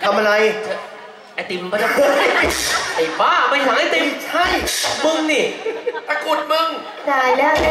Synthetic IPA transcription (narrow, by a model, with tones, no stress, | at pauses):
t̪ʰa˧mʔa˧ɾa˧jʰa˧˩ | a˧˩t̪i˧mːa˧˩tʰa˧˩˧ | a˨˩baː˧˥˩ma˧jt̪ʰaː˨˦ŋha˥˩jt̪i˧mt͡ɕʰa˥˩jmɯ˧ŋni˧˩pa˧ko˨˩t̪̚mɯ˧ŋ | daː˧˩jlɯ˥˩ə˩ŋ